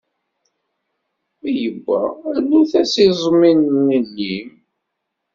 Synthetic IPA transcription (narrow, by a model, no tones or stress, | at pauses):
æjəɡʷːæ̰lːuθæsizˤminnənːim